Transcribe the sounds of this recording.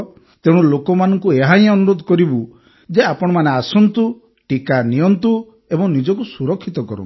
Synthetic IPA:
t̪eɽ̃ulokɔmanɔŋkueɦaj̃ɔnuɾod̪ʱɔkɔɾibu | d͡ʒeapɔɽ̃ɔmaneasɔnt̪u | ʈikanijɔnt̪u | ebɔŋnid͡ʒɔkusuɾɔkʰːit̪ɔkɔ̰ɾṵ

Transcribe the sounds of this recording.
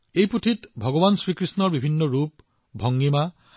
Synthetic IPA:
ejput̪ʰit̪bʱɔɡɔbansɹikɹisnɔɹbibʱinːɔɹup | bʱɔŋɡima

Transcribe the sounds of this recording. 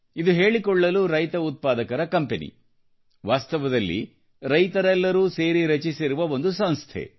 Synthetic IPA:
id̪uɦeːɭikɔɭːɐluɾɐjt̪ɐut̪̚paːd̪ɐkɐɾɐkɐmpenḭ | ʋaːst̪ɐʋɐd̪ɐlːḭ | ɾɐjt̪ɐɾɛlːɐɾuːse̞ːɾiɾɐt͡ʃisiɾuʋɐo̞nd̪usɐñst̪ʰḛ

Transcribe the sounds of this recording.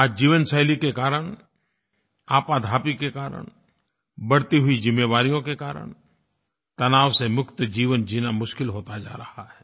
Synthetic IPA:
aːd͡ʒiːʋənsəɦɪlikekaːɾəɽ̃ | aːpad̪ʱaːpikekaːɾə̰ɳ̃ | bɐɽt̪iɦʊid͡ʒɪmːeːʋaːɾijõkekaːɾə̰ɳ̃ | t̪ɐnaːʋsemʊkt̪d͡ʒiːʋənd͡ʒinamʊʃkɪlɦoːt̪ad͡ʒa̰ːɾɐhaɦɛː

